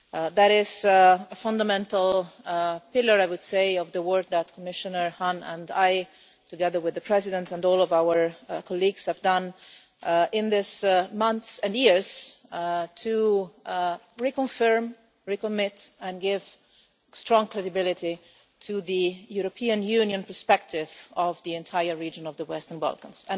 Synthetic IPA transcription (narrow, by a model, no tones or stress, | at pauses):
ðæɾɪzəfʌ̃ndəmɛ̃ntl̩ˠ | pɪlˠə˞aɪwʊd̥seɪʌvðəwɜ˞k̚ðætkʰɔmɪʃənə˞hãnə̃ndaɪ | tɨɡɛðə˞wɪðəpʰɹ̥ɛzɪdə̃ntə̃ndɔlˠɔvawə˞kʰɔliɡz̥hɨvdʌ̃n | ɪ̃nðɪsmʌ̃nθsɨ̃njɪɹz̥ | tʰu | ɹikə̃ɱfɜɹm | ɹikɔmɪtɛ̃nɡɪv̥ | stɹɔ̃ŋkʰɹ̥ɛdɨbɪlɪɾi | tʰuðijuɾɔpʰiɨ̃njʉnjə̃npə˞spɛk̚tʰɪvɔvðiɛ̃ntʰaɪə˞ɹid͡ʒə̃nɔvðəwɛstə̃nba̰lˠkə̃nz̥ɛ̃